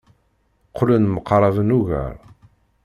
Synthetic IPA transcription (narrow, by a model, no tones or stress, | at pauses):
qʰːlənməqɾˤɑvənuʝæ̰ɾˤ